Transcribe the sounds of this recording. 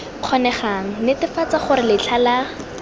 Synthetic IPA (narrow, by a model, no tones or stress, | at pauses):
q͡χʰɔnɛχaŋ̩lɪtɪfat͡saχʊɾɪlɪt͡ɬʰala